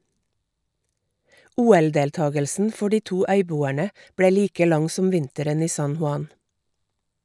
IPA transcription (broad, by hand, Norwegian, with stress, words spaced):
ˈuːɛlˌdeːlˌtɑːɡəlsn̩ ˈfɔ ˈɖiː ˈtuː ˈœʏˌbuːæɳə ˈbɽeː ˈliːkə ˈlɑŋ ˈsɔm ˈʋɪntəɾən ˈiː ˈsɑn hʊˈɑn